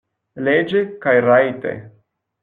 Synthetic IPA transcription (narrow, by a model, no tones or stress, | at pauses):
led͡ʒekajɾajt̪ḛ